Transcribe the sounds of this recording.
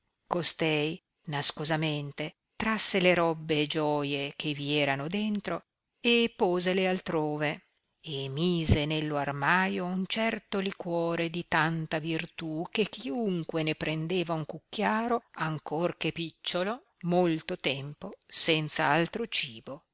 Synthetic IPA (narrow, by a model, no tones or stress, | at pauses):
kost̪ɛj | naskozament̪e | t̪ɾasːeleɾɔbːeːd͡ʒɔːjek̟eviɛːɾanod̪ent̪ɾo | epːoːzelealt̪ɾoːve | emiːzenelːoarmaːjount͡ʃɛrt̪olikwɔːɾed̪it̪ant̪avirt̪ukek̟ːiuŋkwenepɾʔend̪eːvauŋkukːjaːɾoaŋkorkepit͡ʃːolo | molt̪ot̪ɛmposɛnt̪sa̰alt̪ɾot͡ʃiːbo